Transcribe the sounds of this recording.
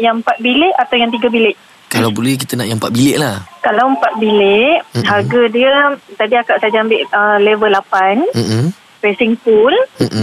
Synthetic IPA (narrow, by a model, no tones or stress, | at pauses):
jaŋəmpat̪̚bilɪʔat̪awjaŋt̪̬iɡabilɪʔ | kalawbolɛhk̬it̪ənaʔjampat̪̚bilɪʔlahkalawəmpat̪̚bileʔɦarɡadiət̪adiakaʔsad͡ʒaambɪʔəlevəlapan̩ | pɛsiŋpul̩